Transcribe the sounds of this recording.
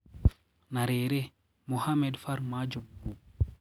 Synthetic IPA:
naɾɛːɾɛ | muhamɛdfaɾmad͡ʒɔbu

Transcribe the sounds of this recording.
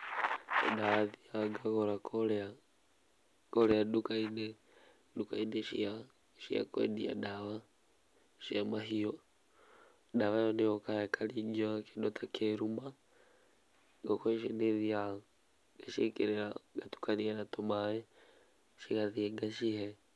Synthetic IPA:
daaðiaɡaɣɔɾakɔlɛa | kɔɾɛadukainɛ | dukainɛʃḭa | ʃḭa̰kwḛdia̰daβa | ʃiamaɦijɔ | daβajɔniɔkaɛkʰalid͡ʒakindɔtʰakʰeɾuma | ɡɔkɔɛʃineðia | ɡaʃekeɾɛɾaɡatu̥kanianatomaɛ | ʃiɣaðiɛɡaʃihɛ

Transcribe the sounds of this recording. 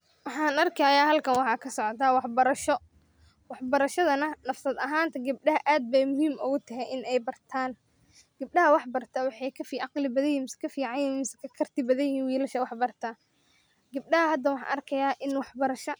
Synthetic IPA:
wɑħɑːnɐrkʰɐjaːɦɐlkʰɐnwɑħɑːkʰɐsɔʕɔt̪ʰaːwɑħbɐɾɐʃɔ | wɑħbɐɾɐʃɐðɐnɐnɐfsɐd̪ɐɦaːnt̪ʰɐɡɐb̚ɖɐɦɐʔaːd̪̚bɛjmʊɦiːmʔʊɣʊt̪ʰɐɦɛjʔɪnɛjbɐrt̪ʰaːn | ɡ̥ɐb̚ɗɐɦɐwɑħbɐrt̪ʰɐwɑħɑjkʰɐfiʔɑqlɪbɐðɐjɪmɪsɐ̥kʰɐfiːʕɑjɪimɪsɐ̥kʰɐkʰɐrt̪ʰɪbɐðɐjɪhiːnwiːlɐʃɐwɑħbɐrt̪ʰɐ | ɡɐb̚ɖɐɦɐhɐd̪ɐwɑħɑ̰ːnʔɐrkʰɐjaːʔɪnwɑħbɐɾɐʃɐ

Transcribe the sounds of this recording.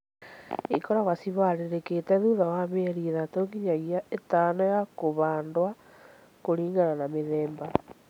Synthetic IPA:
ikɔɾaɣasiβaɾeɾeketɛðuðawameɛɾiðatoːŋɡiɲaɣiaʔetaːnɔjakoβaːndwa | koɾiːŋɡananameðɛːmba

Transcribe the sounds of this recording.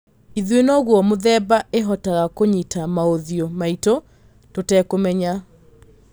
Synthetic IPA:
iðwenɔɣwɔmoðɛbaʔeɦɔtaɣakoɲitamaoðjomaito | totɛːkomɛɲa

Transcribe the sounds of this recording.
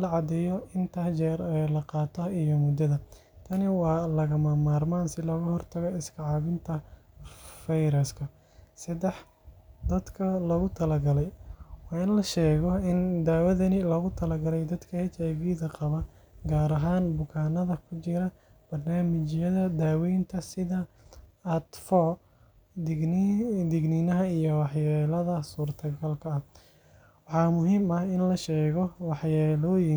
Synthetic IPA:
lɐʕɑd̪ɛjɔɪnt̪ʰɐːt͡ʃɛɾɛlɐqɑːt̪ʰɔijɔmʊd̪ɐðɐ | t̪ʰɐnɪwɑːlɐɣɐmɐmaːrmaːnsɪlɔɣɐhɔrt̪ʰɐɣɔɪskʰɑʕɑβɪnt̪ʰɐ | fɐjɾɐskʰɐ | sɐd̪ɛħ | d̪ɐd̪kʰɐlɔːɣʊt̪ʰɐlɐɡɐlɛjwɑːɪnlɐʃɛːɣɔɪnd̪aːwɐðɐnɪlɔːɣʊt̪ʰɐlɐɡɐlɛjd̪ɐd̪kʰɐhɛt͡ʃaɡiːðɐqɑβɐ | ɡaːɾɐɦaːnbʊkʰaːnɐðɐkʰʊt͡ʃɪɾɐ | b̥ɐrnaːmɪt͡ʃjɐðɐd̪aːwɛjnt̪ʰɐsɪðɐː | t̪fɔ | d̪ɪɡnɪnɐɦɐijɔwɑħjɛːlɐðɐsuːrt̪ʰɐɡɐlkʰɐːh | wɑħɑːmʊɦiːmɐhɪnlɐʃɛːɣɔwɑħjɛːlɔːjɪŋ

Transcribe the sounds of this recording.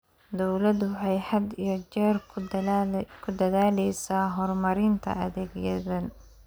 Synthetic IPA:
d̪ɔwlɐd̪wħɑjħɐd̪ijɞt͡ʃɛːr | kʰʊd̪ɐðaːlɛjsaːɦɔrmɐɾɪnt̪ʰɐ̰ɐðɛːɡjɐðɐn

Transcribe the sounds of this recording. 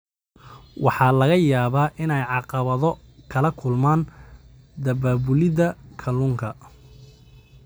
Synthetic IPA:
wʔɑħɑːlɐɣɐjaːβaːʔɪnɛjʕɑqɑβɐðɔ | kʰɐlɐkʰʊlmaːn | d̪ɐbaːβʊlɪðɐkʰɐluŋkʰɐ

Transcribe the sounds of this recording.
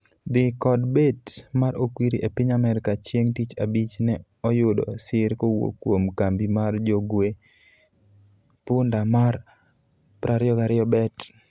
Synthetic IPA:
d̪ɪkɔdbetmaɾokwiɾiʔepɪɲamɛɾkat͡ʃjeŋtit͡ʃabit͡ʃnɛ | ɔjʊdɔ̰sɪɾkowo̰kːwomkambimard͡ʒoɡwe | pʊndamar | pɾʔaɾɪɔɡaɾɪɔbɛt

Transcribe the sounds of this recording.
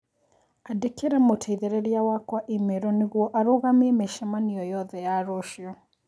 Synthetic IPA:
adekeɾɛmotʰɛiðɛɾɛɾiawakwaʔimeɾɔneɣwɔʔaɾoɣamiɛmeʃɛmaniɔjɔðɛjaɾoʃiɔ

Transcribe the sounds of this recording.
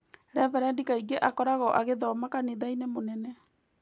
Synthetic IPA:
ɾɛvaɾandikaiɡeʔakɔɾaɣɔʔaɣeðɔmakaneðainemonɛnɛ

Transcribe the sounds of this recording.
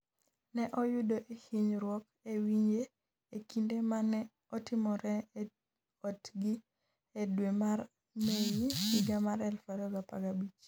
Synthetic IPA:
nɛʔɔjudoʔehiɲɾwɔk | ewiɲe | ekindemanɛ | ɔtɪmɔɾɛ | ɔtɡi | edwemar | mejihiɡamaɾɛlfaɾɔɡapa̰ɡabit͡ʃ

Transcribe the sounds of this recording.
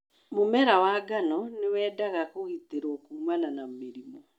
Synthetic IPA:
momɛɾawaːɡanɔnewɛːdaɣakoɣiteɾwɔkuːmananameɾimɔ

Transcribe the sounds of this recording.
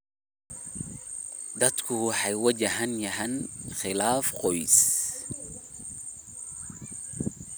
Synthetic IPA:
d̪ɐd̪kʰʊwɑħɑjwɐd͡ʒɐɦɐnjɐɦɐnxɪlaːfqɔjs

